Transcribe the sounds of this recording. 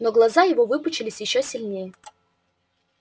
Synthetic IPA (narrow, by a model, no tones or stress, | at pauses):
noɡlˠɐzajɪvovɨpʊt͡ɕɪlʲɪsʲjɪɕːosʲɪlʲnʲejə